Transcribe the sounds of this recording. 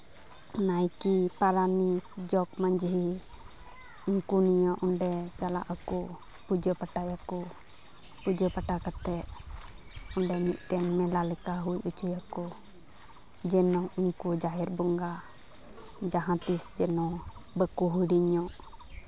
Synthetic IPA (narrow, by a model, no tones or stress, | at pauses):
najkipaɾanid͡ʒɔkmaɲd͡ʒɦi | uŋkunijɔʔɔɳɖɛt͡ʃala̰ʔakɔ | pud͡ʒɔpaʈajakɔ | pud͡ʒɔpaʈakat̪ɛʔ | ɔɳɖɛmit̪̚ˀʈɛnmɛlalɛkaɦujut͡ʃujakɔ | d͡ʒɛnɔ̃ʔiŋkud͡ʒaɦɛɾbɔŋɡa | d͡ʒaɦãt̪isd͡ʒɛnɔbəkuɦuɽiɲɔʔ